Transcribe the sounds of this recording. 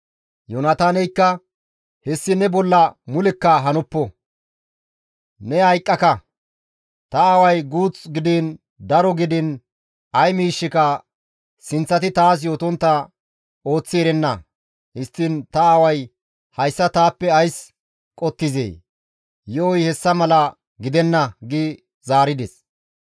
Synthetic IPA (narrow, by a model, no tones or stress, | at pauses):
jɔnɐt̪aːnɛjkːɐ | hɛsːɪnɛbɔlːɐmʊlɪkːɐɦɐnʊpːɔ | nɛhɐjkʼːɐkɐ | t̪ɐːwɐjɡuːt͡sʼɡɪd̪iːn | d̪ɐɾɔɡɪd̪ɪn | ɐjmiːʃːɪkɐ | sɪnt͡sːɐt̪ɪt̪aːs̬jo̞ːt̪ɔnt̪ːɐ | o̞ːt͡sːɪɛɾɛnːɐ | hɪst̪ːɪnt̪ɐːwɐj | hɐjsːɐt̪aːpːɛɐjs | kʼɔt̪ːɪzḛː | jɔɔjhɛsːɐmɐlɐ | ɡɪd̪ɛnːɐɡɪ | zaːɾɪd̪ɛs